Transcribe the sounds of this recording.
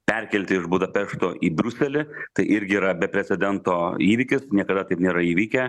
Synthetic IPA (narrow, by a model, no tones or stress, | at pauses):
pʲɛɾʲkʲɛlʲt̪ʲɪɪʒbuːd̪ɐpʲɛʃt̪oːʔiːbʲɾʲʊsʲɛlʲɪt̪ɐɪʔɪɾʲɡʲɪiːɾɐbʲɛpʲɾʲɛt͡ssʲɛd̪ʲɛnt̪oːiːʋʲɪkʲɪsnʲiɛkɐd̪ɐt̪ɐɪpnʲeːɾɐiːʋʲiːkʲɛ